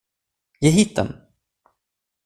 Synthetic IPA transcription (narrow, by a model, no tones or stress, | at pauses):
jeɦiːt̪̚d̪ɛ̰n